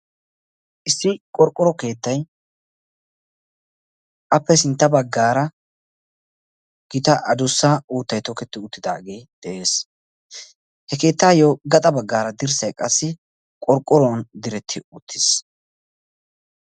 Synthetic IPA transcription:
ʔɪsːɪkʼɔɾkʼɔɾɔke̞ːt̪ːɐj | ʔɐpːɛsɪnt̪ːɐbɐɡːaːɾɐ | ɡ̥ɪt̪ɐʔɐd̪ʊsːauːt̪ːɐjt̪ɔkɛt̪ːɪʊt̪ːɪd̪aːɡejd̪̥ɛʔeːs | hɛke̞ːt̪ːaːjoɡɐt̪ʼɐbɐɡːaːɾɐd̪ɪɾsɐjkʼɐsːɪ | kʼɔɾkʼːɔɾond̪ɪɾɛt̪ʰːɪʊt̪ʰːɪs

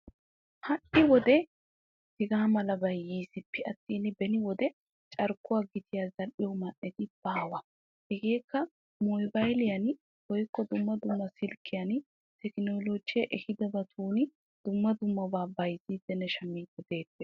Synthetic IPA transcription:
hɐʔɪwɔd̪ɛ | tɪɡaːmɐlɐbɐjːiːsɪpːɛɐt̪ːiːnɪbɛnɪwɔd̪ɛ | t͡ʃʼɐɾkːʊwaːɡɪt̪ʰɪjaːzɐlʔɪjɔmɐʔːɛt̪ɪb̥aːwɐ | hɛɡeːkːɐ | mojbɐjlɪjɐn | wɔjkːɔd̪ʊmːɐd̪ʊmːɐsɪlkːɪjɐn | t̪ɛknoːloːd͡ʒɪjɐʔɛhɪd̪ɐbɐt̪ʰuːnɪ | d̪̥ʊmːɐd̪ʊmːɐbaːbɐjziːd̪̥ɛnɛʃɐmiːkːɔd̪e̞ːpːɛ

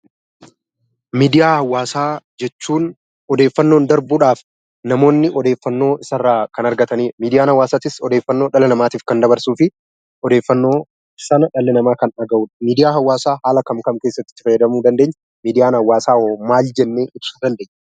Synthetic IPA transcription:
miːd̪ɪjaːhɐwːaːsaːd͡ʒɛt͡ʃːuːn | ɔd̪e̞ːfːɐnːoːnd̪ɐɾbuːᶑaːf | nɐmo̞ːnːɪʔɔd̪e̞ːfːɐnːo̞ːɪsɐrːaːkɐnɐɾɡɐt̪ɐniːmiːd̪ɪjaːnhɐwːaːsaːt̪ɪsɔd̪eːfːɐnːo̞ːᶑɐlɛnɐmaːt̪iːfkɐnd̪ɐbɐɾsuːfɪ | ɔd̪e̞ːfːɐnːo̞ː | sɐnɐᶑɐlːɛnɐmaːkɐnɐɡɐʔuːᶑɐ̥miːd̪ɪjaːɦɐwːaːsaːhaːlɐkɐmkɐmkeːsːɐt̪ːɪ̥ːɪ̥fɐjːɐd̪ɐmuːd̪ɐnd̪eːɲː | miːd̪ɪjaːnhɐwːaːsaːoːmaːld͡ʒɛnːeːʔɪb̥suːd̪ɐnd̪e̞ːɲː

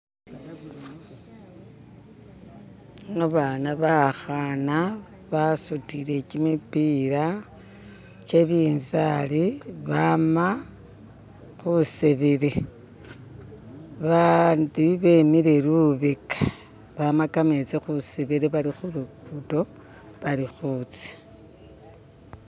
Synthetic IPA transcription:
ŋaβanaβaxana | βasutile̞cimipiɾa | t͡ʃe̞βiːnzaliβama | xuseβeɾe̞ | βandiβe̞miɾe̞luβekḁ | βamakamet͡sexuseβeɾeβaɾixuɾukuto̞ | βalixut͡si̥

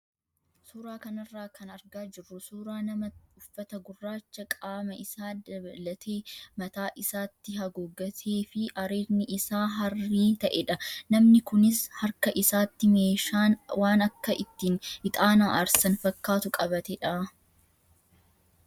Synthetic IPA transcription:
suːɾaːkɐnɐrːaːkʰɐnɐɾɡaːd͡ʒɪrːʊsuːɾaːnɐmɐʊfːɐt̪ɐɡʊrːaːt͡ʃːɐkʼaːmɐɪsaːd̪ɐbɐlɐt̪ʰe̞ːmɐt̪aːʔɪsaːt̪ːɪɦɐɡɔɡːɐt̪ʰeːfɪʔɐɾiːɾnɪʔɪsaːɦɐrːiːt̪ɐʔɛᶑɐnɐmnɪkʊnɪshɐɾkɐʔɪsaːt̪ːɪme̞ːʃaːnwaːnɐkːɐʔɪt̪ːiːnɪt̪ʼaːnaːʔɐɾsɐnfɐkːaːt̪ʊkʼɐβɐt̪ɛᶑɐ

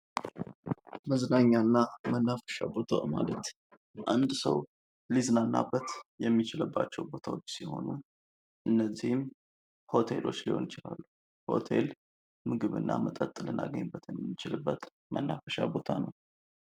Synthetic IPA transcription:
məznaɲːanːamənːafə̥ʃa̰bo̞t̪ʰa̰malət̪ | ʔand̪səw | lizɨnanːa̰bːət̪jɛmːit͡ʃɪləbːat͡ʃːɛwbo̞t̪ʰawo̞t͡ʃːsiho̞̰nu | ʔɨnːəzːihm | ho̞t̪ʰe̞̰lo̞t͡ʃːliho̞̰nɪt͡ʃɪlalːu | ho̞̰t̪ʰe̞l | mɨɡɨβɨnːa̰mət̪ʼət̪ʼːɨlɨna̰ɡəɲːbːət̪jɛmnɨt͡ʃɪlɨbːət̪ | mʔənːafəʃa̰bo̞t̪ʰanəw

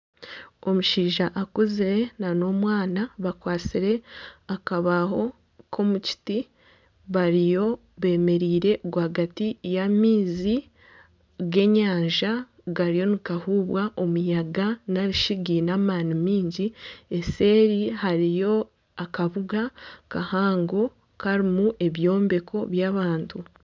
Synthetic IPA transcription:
o̞muʃiːʒaʔakuzeenano̞ːmwaːnaβakwaːt͡siɾe̞akaβaɦo̞ | kʰo̞muci̥ti | βaɾijo̞ | βe̞ːme̞ɾiːɾe̞ʔɡwahaɡatijamiːzi | ɡe̞ɲaːɲʒa | ɡaɾijo̞nikahuːβwaʔo̞mujaɡanaɾiʃiɡinaːmaːnimiːɲɟie̞se̞ːɾihaɾijo̞ | akaβuɡakahaːŋɡo̞ | kaɾimuʔe̞βjo̞ːmbe̞kʰo̞βjaːβaːntʰu

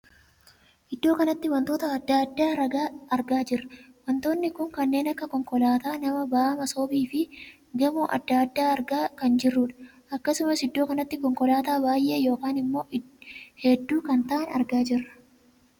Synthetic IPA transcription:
ʔɪd̪ːo̞ːkɐnɐt̪ːɪwɐnt̪oːt̪ɐɐd̪ːaːd̪ːaːɾɐɡaːɐɾɡaːd͡ʒɪrːɐ̥ | wɐnt̪o̞ːnːɪkʊŋkɐnːe̞ːnɐkːɐkɔŋkɔlaːt̪aːnɐmɐbaːmɐsoːbiːfɪ | ɡɐmuːʔɐ̰d̪ːaːd̪ːaːɐɾɡaːkɐnd͡ʒɪrːʊᶑɐ̥ | ʔɐkːɐsʊmɐsɪd̪ːo̞ːkɐnɐt̪ːɪkɔŋkɔlaːt̪aːbaːjʔe̞ːjo̞ːkaːnɪmːo̞ːɪhɛd̪ːuːkɐnt̪ɐʔɐnɐɾɡaːd͡ʒɪrːɐ̥

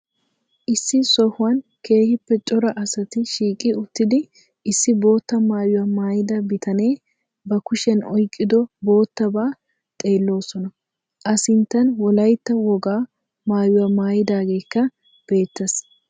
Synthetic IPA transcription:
ʔɪsːɪsɔhʊwɐnke̞ːhɪpːɛt͡ʃʼɔɾɐʔɐsɐt̪ɪʃiːkʼːɪʊt̪ːɪd̪ɪ | ɪsːɪbo̞ːt̪ːɐmaːjʊwɐmaːjɪd̪ɐbɪt̪ʰɐneː | bɐkʊʃɛnɔjkʼːɪd̪ɔbo̞ːt̪ːɐbaː | t̪ʼe̞ːlːo̞ːsɔnɐ | ʔɐsɪnt̪ːɐnwɔlɐjt̪ːɐwɔɡaː | maːjʊwamaːjɪd̪aːɡe̞ːkːɐ | b̥e̞ːt̪ːɐs

